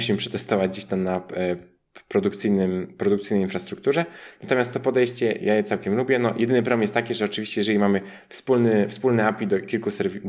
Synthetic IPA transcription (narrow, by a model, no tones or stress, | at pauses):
ɕimpʂɛt̪ɛst̪ɔvad͡ʑd͡ʑeɕt̪amna | pɾɔd̪ukt̪sɘjnɘmpɾɔd̪ukt̪sɘjnɛjinfɾast̪ɾuk̚t̪uʐɛnat̪ɔmʲast̪t̪ɔpɔd̪ɛjɕt͡ɕɛjajɛt̪sawkʲɛmlubʲjɛnɔjɛd̪ɘnɘp̬ɾɔbɛmjɛst̪akʲiʐɛɔt͡ʂɘvʲiɕt͡ɕɛjɛʐɛlʲimamɘ | fspulnɘfspulnɛapʲid̪ɔkʲilkusɛɾvʲi